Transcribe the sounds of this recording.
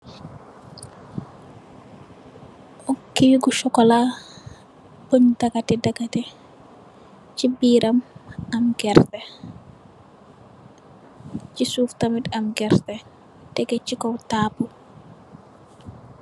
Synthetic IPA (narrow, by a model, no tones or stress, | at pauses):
ʔɔkːiːɡuʃɔkɔla | poɲdaɡatɛdaɡatɛ | t͡ʃibiːɾʔamamɡɛɾtɛ | t͡ʃisuːftamitamɡɛɾtɛ | d̥ɛɡɛt͡ʃikɔwtaːpu